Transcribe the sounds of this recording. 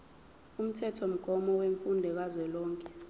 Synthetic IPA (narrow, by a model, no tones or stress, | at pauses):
um̩tʰɛtʰɔm̩ɡ̥ʱɔmɔweɱfundʱɛk̬azwɛlɔːŋkʼɛ